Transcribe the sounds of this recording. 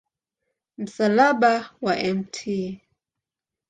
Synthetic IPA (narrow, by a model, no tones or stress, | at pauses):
m̩salaɓawaʔɛmtʰi